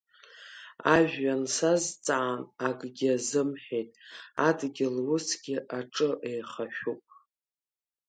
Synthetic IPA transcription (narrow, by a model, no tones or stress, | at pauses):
aʒᶣːansazt͡sʼaanaɡʼɡʲɪazɨmħᶣejtʼadɡʲɪlwʊsɡ̥ʲɪʔaʈ͡ʂʼɨʔejχaʃʷᶣupʼ